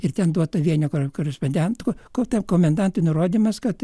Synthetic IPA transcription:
ɪrt̪ʲɛnd̪uɔt̪ɐʋʲiɛnʲokokoːɾʲɛsponʲd̪ʲæːmt̪kokot̪ʲɛmkoːmʲɛnd̪ɐnt̪ʊnʊroːd̪ʲiːmɐskɐt̪

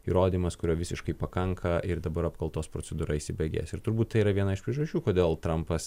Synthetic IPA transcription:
ḭːɾoːd̪ʲiːmɐskʊɾʲoːʋʲɪsʲɪʃkɐɪpɐkɐŋkʰɐʔɪɾd̪ɐbɐɾɐpkɐlˠt̪oːspɾoːt͡s̪ʲɛd̪uːɾʔɐisʲɪbʲɛɡʲḛːsɪɾt̪ʊɾbuːt̪t̪ɐɪiːɾɐʋʲiɛnɐɪʃpʲɾʲɛʒɐʃʲt͡ʃʲuːkoːd̪ʲeːlˠt̪ɾɐmpɐs

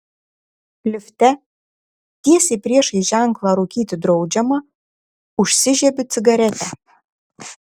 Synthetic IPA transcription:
lʲɪfʲt̪ʲɛ | t̪ʲiɛsʲeːpʲɾʲiɛʃiʒʲæŋklˠɑɾuːkʲiːt̪ʲɪd̪ɾoʊd͡ʒʲɛmɐ | ʊʃʲsʲɪʒʲɛbʲɪt͡s̪ʲɪɡɐɾʲɛt̪ʲæ

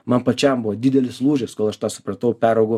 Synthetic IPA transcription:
mɐnpɐt͡ʃʲɛmbʊʋɐd̪ʲɪd̪ʲɛlʲɪslˠuːʒʲɪskoːlˠɐʃt̪ɑːsʊ̥pɾɐt̪ɐʊpʲæːɾɐʊɡʊ

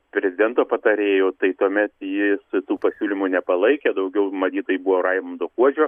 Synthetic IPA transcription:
pʲɾʲɛzʲɪd̪ʲɛnt̪oːpɐt̪ɐɾʲeːjoːt̪ɐɪt̪uɔmʲɛt̪jɪsʊt̪uːpɐsʲuːlʲɪmuːnʲɛpɐlˠɐɪkʲɛd̪ɐʊɡʲɛʊmɐt̪ʲiːt̪oːjibuʋoːrɑɪmomd̪oːkuɔd͡ʒʲoː

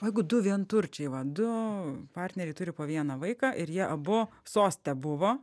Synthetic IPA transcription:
ojɛɪɡʊd̪ʊʋʲiɛnt̪ʊrʲt͡ʃʲɛɪʋɐd̪ʊpɑːrʲt̪ʲnʲɛɾʲɛɪt̪ʊɾʲɪpoːʋʲiɛnɐʋɐɪkɑːʔɪɾjiɛʔɐbʊsoːsʲt̪ʲɛbʊʋoː

